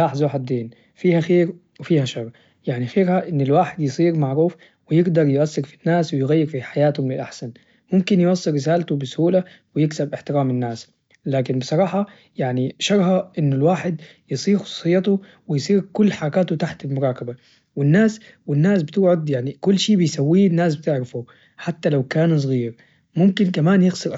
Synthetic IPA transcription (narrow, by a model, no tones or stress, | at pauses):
laːħzoħad̪ːeːn | fiːhaxeːɾ | wɪfiːhaʃɑɾˤ | jaʕnixeːɾhaʔɪnːɪlwaːħɪd̪jɨsˤiːɾmaʕɾuːf | wɪjɪɡd̪ɑɾˤjʊʔasːɪɾfinːaːswɪjɣajːɪɾfiħajaːt̪hʊmlɪlʔaħsan | mʊmkɪnjʔɑsˤːɨɾːɪsaːlt̪ʊbɪsʊhuːlawɪjɪksabʔɪħt̪ɪɾaːmɪnːaːs | laːkɪnbɨsˤɑɾˤɑːħɑ | jaʕniʃɑɾˤhɑʔɪnːʊlwaːħɪd̪ | jɨsˤiːɾxʊ̥sˤu̥ːsˤɨjːɑt̪u | wɪjsˤiːɾkʊlːħaɾɑkaːt̪ut̪aħt̪ɪlmʊɾˤɑːkaba | wɪnːaːs | wɪnːaːsbɪt̪ɪʕʊd̪jaʕnikʊlːʃiːbɪjsawːiːnːaːs̬bɪt̪ɪʕɾafu | ħat̪ːalawkaːnus̬ˤɣiːɾ | mʊmkɪnkamaːnjɪɣsɑɾʔ